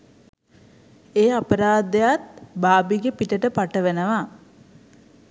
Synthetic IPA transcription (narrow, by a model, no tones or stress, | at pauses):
eːapəɾaːd̪ejat̪baːbiɡepiʈəʈəpaʈəʋenəʋa